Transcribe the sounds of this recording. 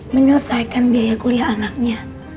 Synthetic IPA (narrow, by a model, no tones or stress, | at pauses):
məɲələsajkanbiajakuliaːnak̚ɲa